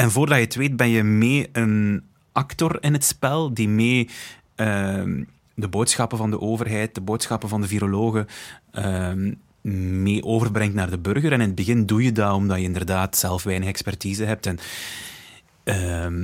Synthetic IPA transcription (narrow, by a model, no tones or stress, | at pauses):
ɛnvoːrdɑjəətʋeːt̚bɛnjəmeːən | ɑktɔrɪnɦətspɛlˠdimeː | ə | dəboːtsxɑpəvɑndəʔoːvərɦɛjt̚d̥əboːtsxɑpəvɑndəviɾoloːɣəʔə | meːʔoːvərbrɛŋtnaːrdəbɵrɣəɾɛnɪnəd̚bəɣɪndujədaːɾɔmdɑjəɪndərdaːtsɛlˠfʋɛjnəxɛkspɛrtiːzəɦɛp̚tɛn | ə